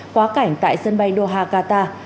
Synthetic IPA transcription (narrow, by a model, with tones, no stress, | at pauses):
kwaː˨˦ka˧˩jŋ̟t̪a̰ː˧˨jsə˧nɓa˧jɗo˧ɦaː˧kaː˧t̪aː˧